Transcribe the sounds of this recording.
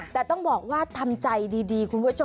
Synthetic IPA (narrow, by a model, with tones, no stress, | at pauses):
t̪ɛː˨˩t̪ɔ˥˩ŋbɔː˨˩k̚waː˥˩t̪ʰa˧mt͡ɕa˧jdiː˧diː˧kʰu˧npʰu˥˩˨t͡ɕʰo˧